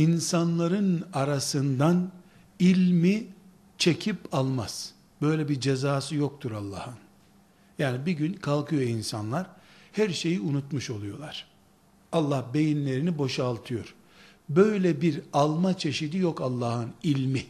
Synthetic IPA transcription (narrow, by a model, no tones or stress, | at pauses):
insanlˠaɾɯnaɾasɯnd̪an | ilʲmi | t͡ʃʰe̞cʰipalˠmaz̥ | b̥ø̞jlʲɛbid͡ʒezaːsɯjok̚t̪ʰuɾalˠːa̰ːhɯn | jaːnibiɟynkʰalˠkʰɯjoinsanlˠaɾhæɾʃe̞jiunut̪muʃo̞lˠujo̞lˠaɾ̥ | alˠːahbe̞jinlʲe̞ɾinibo̞ʃalˠt̪ʰɯjo̞ɾ̥ | bø̞jlʲɛbiɾalˠmat͡ʃʰe̞ʃid̪ijo̞kalˠːaːhɯnilʲmi